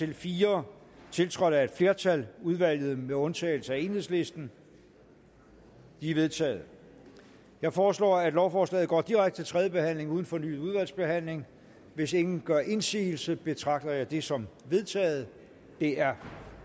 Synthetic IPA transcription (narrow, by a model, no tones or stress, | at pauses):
t͡sʰe̝lfiːɐ | t͡sʰe̝lt͡sʰʁɒɾ̥æd̥fle̝ɐt͡sʰæluð̞ˠʋæl̰jð̞̩ˠmeɔ̽nt͡sʰɛ̰ːl̩səæe̝nhe̝̰sle̝sd̥n̩ | d̥iæʋe̝ð̞ˠt͡sʰɛ̰ːð̞̩ˠ | jɑ̈ɪfɒːslɒ̰ːæd̥lɒʊfɒːslɛ̰ːð̩ˠɡ̥ɒ̰ːd̥iʁaɡ̥d̥ət͡sʰe̝lt͡sʰʁɛðˠjəb̥e̝hæn̰le̝ŋuːð̞ˠn̩fɒ̽ny̰ːð̩ˠuðˠʋæl̰sb̥e̝ɦæn̰le̝ŋ | ʋe̝se̝ŋn̩ɡ̥ɶɐʔe̝nsḭːl̩səb̥e̝t͡sʰʁɑ̈ɡ̥̚d̥ɐjɑ̈ɪd̥e̝sɒ̽mʋe̝ð̞ˠt͡sʰɛ̰ːð̞̩ˠ | d̥e̝æɐ